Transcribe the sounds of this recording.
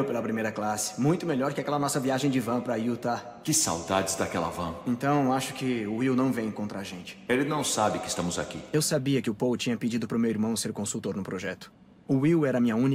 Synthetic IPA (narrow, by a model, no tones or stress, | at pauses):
wpelɐpɾimejɾɐklasɪ̥mũj̃t̪ʊmeʎɔɾkɪakɛlɐnɔsɐviaʒẽj̃d͡ʒɪvɐ̃pɾɐiwt̪a | kɪsa̰wd̪ad͡ʒɪzd̪akɛlɐ̰vɐ̃ẽnt̪ɐ̃w̃aʃʊ̥kɪʊiwnɐ̃w̃vẽj̃kõnt̪ɾɐaʒẽnt͡ʃɪ̥elɪnɐ̃w̃sabɪkɪst̪ɐ̃mʊza̰kḭewsabiɐkɪʊpowʊt͡ʃĩɲɐpɪd͡ʒid̪ʊpɾʊmewiɾmɐ̃w̃seɾkõsut̪oɾnʊpɾoʒɛt̪ʊ̥ | ʊiwɛɾɐmĩɲɐũn